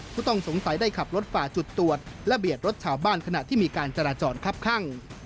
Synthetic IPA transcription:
pʰuː˥˩t̪ɔ˥˩ŋso˩˦ŋsa˨˩˦jdaː˥˩jkʰa˨˩p̚ɾo˦˥t̪̚faː˨˩t͡ɕu˨˩t̪ːu˨˩ət̪̚lɛ˧˦˥bi˨˩ət̪̚ɾo˦˥t̪̚t͡ɕʰaː˨˩wbaː˥˩nkʰa˧na˨˩t̪ʰiː˥˩miː˧kaː˧nt͡ɕa˧ɾaː˧t͡ɕɔː˧nkʰa˦˥˩p̚kʰa˥˩ŋ

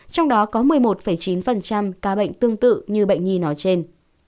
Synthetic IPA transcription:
t͡ɕɔ˧wŋ͡mɗɔ˨˦kɔ˨˦mɨ˨˩əjmo˨˩t̚fə˧˩jt͡ɕi˨˦nfə˨˩nt͡ɕa˧mkaː˨˦ɓə̰˧˨jŋ̟t̪ɨ˧əŋt̪ɨ̰˧˨ɲɨ˧ɓə̰˧˨jŋ̟ɲi˧nɔ˨˦jt͡ɕe˧n

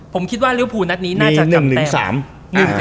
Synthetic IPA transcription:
pʰo˨˩˦mkʰi˦˥t̪̚waː˥˩ɾi˦˥wpʰuː˨˩na˦˥t̪̚niː˦˥naiː˥˧a˩nɯ˨˩ŋtʰɯɛ˩˧ŋsa̰ː˩˦m | nɯ˨˩

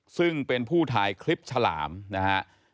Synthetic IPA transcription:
sɯ˥˩ŋpe˧npʰuː˥˩t̪ʰaː˧jkʰli˦˥p̚t͡ɕʰa˧la̰ː˩˦mna˦˥hʰa˦˥ʔ

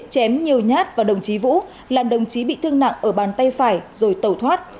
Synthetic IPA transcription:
t͡ɕɛ˨˦mɲi˨˩əwɲaː˦˥t̚vaː˨˩ɗə˨˩wŋ͡mt͡ɕi˨˦vṵ˧˥ | laː˨˩mɗə˨˩wŋ͡mt͡ɕi˨˦ɓḭ˧˨t̪ʰɨ˧əŋna̰˧˨ŋʔəː˧˩ɓaː˨˩nt̪a˧jfaː˧˩jzo˨˩jt̪ə˨˩wt̪ʰwaː˦˥t̚

